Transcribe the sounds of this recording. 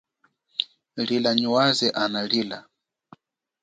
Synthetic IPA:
lilaɲuwazɛʔanaliːla

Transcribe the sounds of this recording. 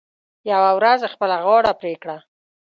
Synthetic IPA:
jawawɾazexpəlaɣɑɽapɾekɽa

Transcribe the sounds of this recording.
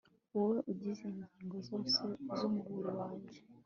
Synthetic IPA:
uwe̞ʔuɟizenzaːŋɡozoːsezomuɡuɾewaːɲɟe

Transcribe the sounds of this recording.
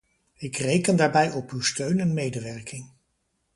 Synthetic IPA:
ɪkrejkəndaːɹbɛjɔpywstøɥnɛnmejdəʋɛɹkɪŋ

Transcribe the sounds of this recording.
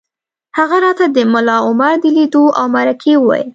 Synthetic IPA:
haɣaɾɑt̪ad̪əmʊlɑʊmaɾd̪əlid̪oʔawmaɾakʰewwɑ̰j̰l

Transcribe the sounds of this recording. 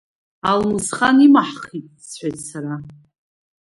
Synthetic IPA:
almɨsχanimaħχitʼsʰħʷajtʼsaɾa

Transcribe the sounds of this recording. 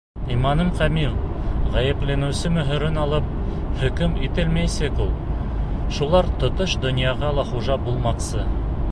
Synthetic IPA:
imɑnɤmqæmilˠ | ʁæjɘ̆plɘ̆nɘ̆wsɘmɵ̆ɦɵ̆ɾɘnɑlˠɤp̚ | hɵ̆kɵmit̪ɘlmæjsækulˠ | ʃulˠɑɾt̪ŏt̪oʃd̪ŏnjɑʁɑlˠɑχuʒɑbulˠmɑqsɤ

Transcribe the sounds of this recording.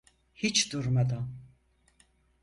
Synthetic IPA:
hit͡ʃʰd̪uɾmad̪a

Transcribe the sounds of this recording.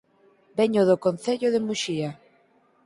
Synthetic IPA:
beɲoðokon̟θeʎoðemuʃia

